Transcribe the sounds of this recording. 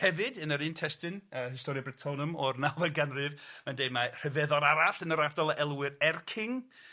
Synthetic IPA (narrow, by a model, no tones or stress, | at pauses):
hɛvɨdənəɾɨːntʰɛstɨnəhɪstɔɾjɔbrɪtʰɔnəmɔrnavəɡanrɨvmandejmar̥əvɛðɔɾaɾaɬənəɾardɔlˠəɛlˠwɪɾɛrkʰɪŋ